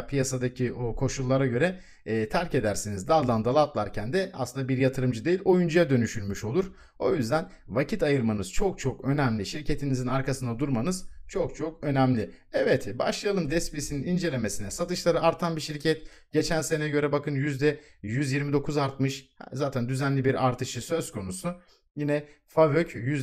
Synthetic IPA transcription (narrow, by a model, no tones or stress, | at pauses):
pʰijasad̪acʰiokʰo̞ʃulˠːaɾaɟø̞ɾɛː | t̪ʰæɾce̞d̪æɾsinizd̪aːd̪ˠand̪alˠat̪lˠaɾcʰænd̪ɛa̰slˠɯnd̪abiɾjat̪ʰɯɾɯmd͡ʒɯd̪e̞jilʲo̞jund͡ʒujad̪ø̞nyʃylʲmyʃo̞lˠuɾ̥ | o̞jyzd̪æn | vacʰit̪ajɯɾmanɯz̥t͡ʃʰo̞k̚t͡ʃʰo̞kø̞næmlʲiʃiɾcʰe̞t̪ʰinizinaɾkʰasɯnd̪ad̪uɾmanɯzt͡ʃʰo̞k̚t͡ʃʰo̞kø̞næmlʲɪɛvɛt̪ʰba̰ʃlˠajalˠɯmd̪ɛspiisininind͡ʒe̞lʲe̞me̞sinɛsat̪ʰɯʃlˠaɾɯaɾt̪ʰanbiʃiɾcʰɛt̪ | ɟ̥e̞t͡ʃʰænse̞nɛɛɟø̞ɾɛbakʰɯnjyzd̪ɛjyzjiɾmid̪o̞kʰuzaɾt̪mɯʃhɛ̰zaːt̪ʰænd̪yzænlʲibiɾaɾt̪ʰɯʃɯsø̞zkʰo̞nusu | jinɛ | favøcjyz